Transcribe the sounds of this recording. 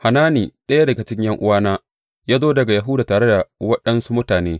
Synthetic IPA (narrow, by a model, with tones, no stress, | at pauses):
ha˨naː˦niː˨ɗɐ˦ja˦dɐ˨ɡɐ˨t͡ʃɪ˦ɲjɐ˦ŋʔʊ̰˦waː˦naː˦ | jaː˦zoː˦dɐ˨ɡa˨ja˨ɦʊ˦daː˨taː˨ɽe˦da˨wɐ˦ɗɐ˦nsu˦mʊ˦taː˨neː˦